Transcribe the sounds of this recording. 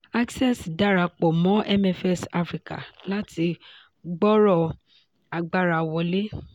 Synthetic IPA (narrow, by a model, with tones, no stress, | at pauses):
a˦ksɛ˦˨sda˦ɾa˧k͡pɔ˨mɔ̃˨˦ʔɛ˦mɛ˧fɛ˦sa˧fɾi˧ka˨la˦ti˧ | ɡ͡bɔ˦ɾɔ˦˨ | a˧ɡ͡ba˦ɾa˧wɔ˧le˦